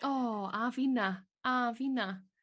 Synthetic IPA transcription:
ɔavɪna | avina

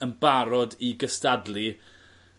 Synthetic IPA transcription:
ənbaɾɔdiɡəstadli

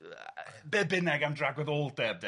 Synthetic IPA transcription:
bɛbɪnɛɡamdraɡwɛðoːlˠdɛːb̚d

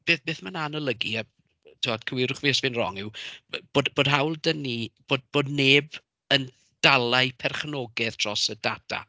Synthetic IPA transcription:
b̥eːθbeːθmananəlˠəɡia | tʰɪɔd̥kʰəwɪɾʊχviːəsvɪnrɔ̰ŋɪwb̥oːdb̥oːd̥ɦawlˠdənib̥oːdb̥oːdneːb | ən | d̥alˠaɨpʰɛrχnɔɡɛðtʰrɔsədatʰa̰

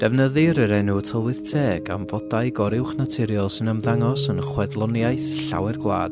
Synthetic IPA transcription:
d̥ɛvnəðɨɾəɾɛnutʰəlˠwɨð̥tʰeːɡa̰mvɔdaɨjɡɔɾɪwχnatʰɪɾjɔlˠsɪnəmðaŋɔsənχwɛdlˠɔnjajθɬa̰wɛrɡwlˠa̰ːd̥

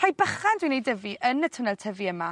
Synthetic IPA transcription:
rajbəχandwiːnejdəviʔənətʰənɛlˠtʰəviəma

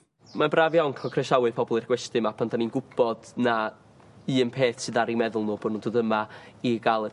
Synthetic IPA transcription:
manbravjawŋkʰɔkʰrɛʃawɨpʰɔbɔlˠɨrɡwɛstɨmapʰandʰaninɡʊb̥ɔd̥na | ɨːnpʰeːθsɨðaɾimɛðʊlˠnʊboːdnundoːdəmaiɡalˠə

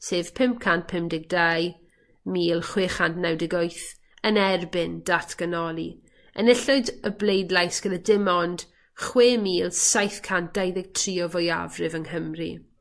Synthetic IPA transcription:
seːv̥pʰɪmp̚kʰant̚pʰɪmdɪɡ̚daj | miːlˠχwɪːχantnɛwdɪɡɔjθ | ənɛrbɪnd̥atʰɡ̥ənɔlˠi | ə̰nɪɬʊɨdəblejdlˠajsɡ̥ənədɪmɔnd̥ | χweːmiːlˠsajθkʰant̚d̥ajðɪɡ̥̚tʰriːɔvɔja̰vrɪvəŋhəmrḭ

